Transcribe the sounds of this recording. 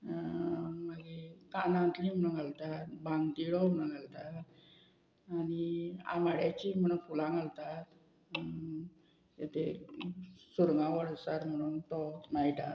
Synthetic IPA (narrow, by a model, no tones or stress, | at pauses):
məɡekanãnt̪lim̤nəɡalt̪at̪bãŋɡt̪iɽɔmnəɡalt̪at̪ | aɽ̃ia̰maɽjat͡ɕiːm̤əɽ̃unfulãŋɡalt̪at̪ | jat̪ʰe | suɾŋɡãʋəɽsaɾm̤əɽ̃uːnt̪ɔmajʈ̪a